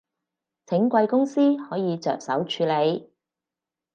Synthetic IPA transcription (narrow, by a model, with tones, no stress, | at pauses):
t͡sʰɪ˨˥ŋkʷɐ˧jkʊ˥ŋsiː˥hɔː˨˥jiː˨˧t͡sœ̰ː˨k̚sɐ̰˨˥wt͡ʃʰyː˨˧le˨˧j